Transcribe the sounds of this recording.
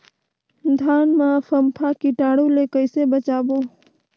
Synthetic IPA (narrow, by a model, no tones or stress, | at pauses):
d̪ʱaːnmãpʰəmpʰakiʈaːɽulekəɪsebət͡ʃaːboː